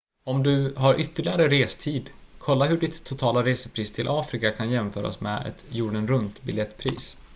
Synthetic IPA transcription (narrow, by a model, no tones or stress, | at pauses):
ɔmd̪ɵɦaɾʔʏt̪ːəɭɪɡaɾəɾeːst̪ʰiːd̪kʰɔlːaɦɵɖɪt̪ʰːʊt̪ʰɑːlaɾeːsəpʰɾiːst̪ʰɪlʔɑːfɾɪkakʰanjɛmfœːɾa̰ɔ̰smɛ̰ɛ̰t̪juːɖənɾɵnt̪bɪljɛt̪ːpʰɾḭːs